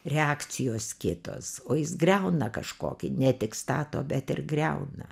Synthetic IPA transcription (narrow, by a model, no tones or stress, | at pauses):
ɾʲɛɑːkt͡ssʲɪjoːskʲɪt̪o̰ːsoːjɪsɡrʲɛʊnɐkɐʃko̰ːkʲɪnʲɛt̪ʲɪkst̪ɑːt̪o̰ːbʲɛt̪ɪrɡrʲɛ̰ʊnɐ̰